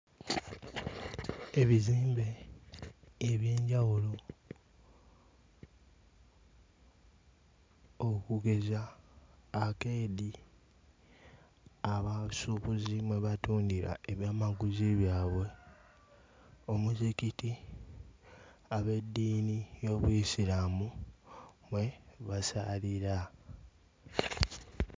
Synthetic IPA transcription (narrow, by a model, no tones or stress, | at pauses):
e̞βiziːmbe̞ | βje̞ːɲɟawulo̞ | okuɡe̞zaː | keːdi | aβasukuzimwe̞βatuːndiɾa̰e̞βjaːmaɡuziβjaːβwe̞ | o̞muzikiti | aβe̞dːiːnijo̞ːβwisilamu | mwe̞βasa̰liɾa